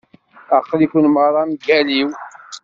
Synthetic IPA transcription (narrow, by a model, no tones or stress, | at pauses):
æqːlikʷunməɾˤɑmɡæliw